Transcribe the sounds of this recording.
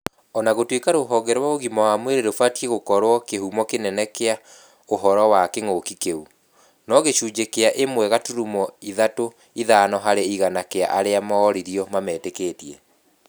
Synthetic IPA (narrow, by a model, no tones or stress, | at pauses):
ɔnaɣotwekaɾoɦɔɡɛɾwaoɣimɔwamweɾeɾofatieɣokɔɾwɔkehumɔkenɛnɛkea | oɦɔɾɔwakeŋoːkikeu | nɔɣeʃuːd͡ʑekeaʔemwɛɣatuɾumɔiðato | iðanɔɦaɾeiɣanakea̰ʔaɾeamɔːɾiɾiɔmamɛːtekeːtiɛ